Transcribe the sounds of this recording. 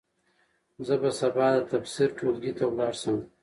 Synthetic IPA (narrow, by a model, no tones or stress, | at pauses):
zəbasabɑd̪ət̪afsiɾʈʰolɡit̪awlɑːɽsəm